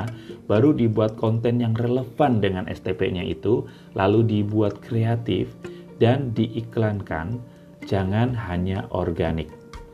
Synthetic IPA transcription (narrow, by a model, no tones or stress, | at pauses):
baɾudibuat̪̚kɔnt̪ɛnjaŋrələfandəŋanʔɛ̰st̪epḛɲaʔḭt̪u | lʔaludibuat̪̚kɾeat̪ɪ̰fdandiʔiklanka̰n | d͡ʒaŋanɦaɲaʔɔ̰rɡanɪk̚